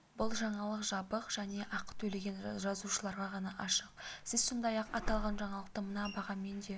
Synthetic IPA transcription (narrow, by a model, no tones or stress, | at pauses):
bʊlˠʒɑɴɑlˠəqʒɑbəqʒ̥æne̞ʔɑqə̥t̪ʰɵle̞ɡʲe̞nʒɑzuʃəlˠɑɾʁɑʁɑnɑʔɑʃəq̚sɪzsond̪ɑjɑqɑt̪ɑlˠʁɑnʒɑɴɑlˠəq̚t̪əmənɑbɑʁɑme̞nd̪e̞